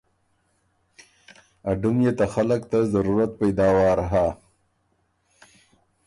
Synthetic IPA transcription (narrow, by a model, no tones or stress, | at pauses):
aɖumjet̪axaləkt̪azaɾuɾat̪̚pajd̪ɑwɑːɾɦa